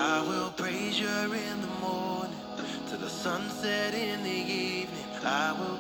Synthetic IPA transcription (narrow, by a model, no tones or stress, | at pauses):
aɪwɪlˠpʰɹ̥eɪʒə˞ɪ̃nðəmɔɹnɪ̃ŋ | tʰɨðəsʌ̃nsɛɾɪ̃nðɨivnĩ | aɪwɪlˠ